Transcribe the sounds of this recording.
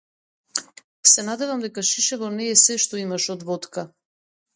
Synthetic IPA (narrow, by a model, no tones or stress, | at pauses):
sɛnad̪ɛvamd̪ɛkaʃiʃɛvɔnɛːsɛʃt̪ɔimaʃɔd̪vɔt̪ka